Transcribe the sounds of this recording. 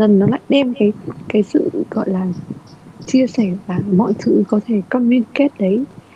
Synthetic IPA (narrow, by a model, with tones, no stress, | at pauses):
lə˨˩nːɔ˨˦la̰ː˧˨jɗɛ˧mkaː˨˦jkaː˨˦jsɨ̰˧˨ɣɔ̰˧˨jlaː˨˩ | t͡ɕi˧əsɛ˧˩vaː˨˩mɔ̰˧˨jt̪ʰɨ˨˦kɔ˨˦t̪ʰe˧˩kɔ˧li˧nke˦˥t̚ɗə˨˦j